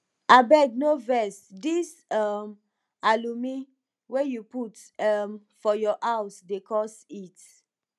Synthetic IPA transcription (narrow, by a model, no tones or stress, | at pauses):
abɛɡ̚novɛsdis | am | alumi | wɛjuputam | fɔjɔʔaʊsdekʰɔsit